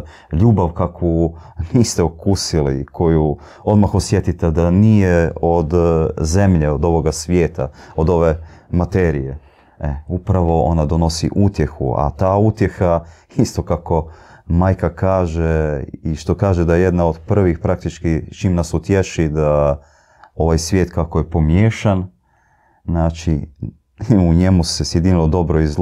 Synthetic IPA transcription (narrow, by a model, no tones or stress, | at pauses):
ʎuːbaʋkakuniːst̪eokusilḭkʰo̞ju | o̞d̪maxosje̞t̪it̪ed̪anijeod̪ze̞mʎeod̪o̞ʋo̞ɡasʋjeːt̪a̰od̪o̞ʋemat̪eːɾije | eupɾaʋo̞o̞̰nad̪o̞no̞sḭʔut̪je̞xṵa̰t̪aːut̪je̞xaist̪o̞kako̞maːjkakaːʒeiʃt̪o̞kaːʒed̪ajeje̞d̪naod̪pr̩ʋixpɾak̚t̪it͡ʃkit͡ʃiːmnasut̪jeʃid̪a | o̞ʋajsʋjeːt̪kakojepo̞mjeːʃan | znaːt͡ʃḭ | uɲe̞musesjed̪inilˠo̞d̪o̞bɾoiz